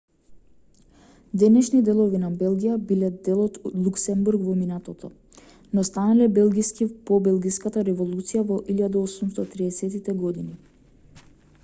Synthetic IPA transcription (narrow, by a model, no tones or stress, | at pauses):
d̪ɛnɛʃnid̪ɛlˠɔvinabɛlˠɡʲijabilɛd̪ɛlˠɔt̪lˠuksɛmbuɾɡvɔminat̪ɔt̪ɔ | nɔst̪analɛbɛlˠɡiskipɔbɛlˠɡiskat̪aɾɛvɔlˠut̪sijavɔʔilʲad̪aɔsumst̪at̪ɾiɛsɛt̪it̪ɛɡɔd̪ini